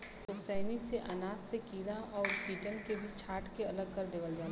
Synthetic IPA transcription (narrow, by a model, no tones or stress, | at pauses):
t̪osɛːniseʔɐnaːzsekiːlaʔɔːɾpiːʈənkebʱit͡ʃʰaːʈʰkeɐləɡkɐɾd̪eːʋəld͡ʒaː